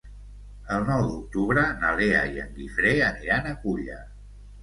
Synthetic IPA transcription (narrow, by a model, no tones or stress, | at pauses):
əlˠnɔwd̪uk̚t̪uβɾənalea̰iə̰ŋɡifɾeəniɾanəkuʎə̰